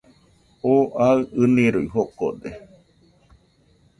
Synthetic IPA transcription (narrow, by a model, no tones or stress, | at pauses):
oʔaɨɨnĩɾuiɦoko̰d̪e